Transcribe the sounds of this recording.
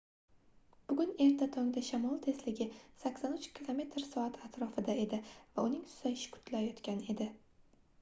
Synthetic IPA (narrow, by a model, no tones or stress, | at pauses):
b̥ʊɡʲʊne̞ɾt̪ʰat̪ʰɒŋd̪aʃamɒlˠt̪ʰe̞slɪɡʲɪsakʲsanʊt͡ʃkʲʰilˠome̞t̪ʰɾsɒat̪at̪ɾɒfɪd̪ae̞d̪ɪvaʊnɪŋsʊ̥zaɪʃɪ̥kʰʊ̥t̪ʰlajɒt̪kʲane̞d̪ɪ